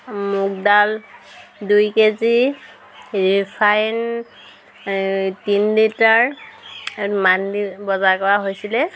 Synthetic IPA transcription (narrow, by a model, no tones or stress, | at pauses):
muk̚dal | dujkezi | ɹipʰajn | tinlitaɹ | mandibɔzakɔɹaɦojsilɛ